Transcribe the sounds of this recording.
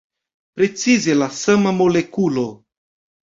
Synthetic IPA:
pɾe̞t͡sizelasamamo̞lekulo

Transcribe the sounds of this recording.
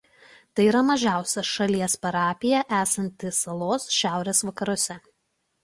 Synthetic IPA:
t̪ɐɪiːɾɐmɐʒʲæˑʊsʲɛʃɐlʲiɛspɐɾɑːpʲɪjɛʔæːsɐnʲt̪ʲɪsɐlˠoːsʃʲæˑʊɾʲeːsʋɐkɐɾuɔsʲɛ

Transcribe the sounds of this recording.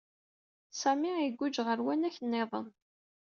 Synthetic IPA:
sæmiiɡʷːʊd͡ʒʁəɾwænæçənːeðˤə̰n

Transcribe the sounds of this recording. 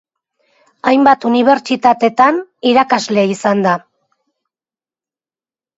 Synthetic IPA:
ajmbat̪uniβ̞e̞ɾt͡ʃit̪at̪e̞t̪aniɾakazle̞isand̪a

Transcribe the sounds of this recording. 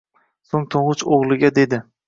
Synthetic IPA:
soŋt̪ʰoɴʁʊt͡ʃoʁlˠɪɡʲad̪e̞d̪ɪ

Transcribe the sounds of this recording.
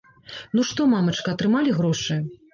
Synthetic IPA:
nuʂt̪ɔmamɐt͡ʂkɐɐt̪ɾɨmalʲiɣɾɔʂɨ

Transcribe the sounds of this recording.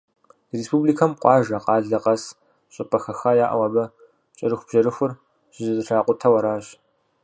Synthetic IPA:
respʰuːbliːkʰɐmqʷɑːʒɐqɑːɮɐqʼɐs | ɕʼɪpʼɐxɐxaːjaːʔɐ̰wɐbɐ | t͡ʃʼɐɾɨxʷb̥ʒɐɾɨxʷʊr | ʒ̥ɪzɨzɨɬaːqʷʊtʰɐwɐɾaːɕ

